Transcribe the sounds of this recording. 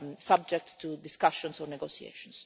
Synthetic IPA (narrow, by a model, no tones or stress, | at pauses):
sab̚d͡ʒɛk̚tːud̪ɪskaʃɔ̃nsɔnɛɡosiḛʃɔ̃ns